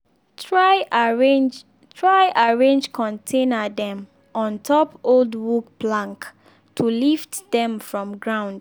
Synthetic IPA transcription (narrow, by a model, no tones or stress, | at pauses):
tɹaɹd͡ʒ | tʰɹaɪʔaɹẽnd͡ʒkʰɔ̃ntʰẽnədɛ̃m | ɔ̃ntʰɔpoldwukplãŋk | tʰuliftdɛ̃mfɹɔ̃mɡɹãʊ̃nd̥